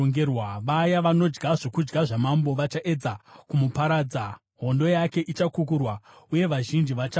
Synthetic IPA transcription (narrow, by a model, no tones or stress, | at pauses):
oŋɡewaʋajaʋano̞d͡ʒɡaʐokud͡ʒɡaʐamambo̞ʋat͡ʃaʔe̞d͡zakumupaɾaːd͡za | ɦo̞ndo̞jake̞ʔit͡ʃakukurwauje̞ʋaʒind͡ʒiʋat͡ʃa